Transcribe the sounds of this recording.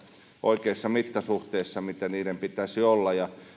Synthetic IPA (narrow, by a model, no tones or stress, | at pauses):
ʔoikeisːɑmit̪ːɑsuht̪eisːɑmit̪æniːdempit̪æsiolːɑjɑ